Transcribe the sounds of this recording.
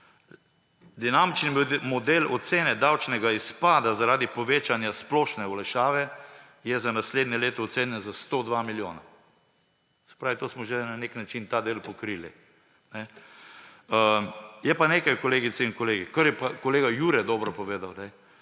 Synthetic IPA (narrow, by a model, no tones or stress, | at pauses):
d̪inaːmit͡ʃnimɔd̪elɔt̪seːnɛd̪awt͡ʃnɛɡaispaːd̪azaɾaːd̪ipɔʋeːt͡ʃanjasplɔːʃnɛwlɛʃaːʋɛ | jɛzanasleːd̪nʲɛleːt̪ɔːt̪seːnɛnzast̪od̪ʋamiljoːna | sɛ̥pɾaːʋit̪oːsmɔʒenaneknat͡ʃint̪aːd̪eːlpɔkɾilḭ | nɛ | jɛpaneːkajkɔleːɡit̪sɛinkɔleːɡikaɾjɛpakoleːɡajuɾɛd̪ɔːbɾɔpɔʋeːd̪awnɛ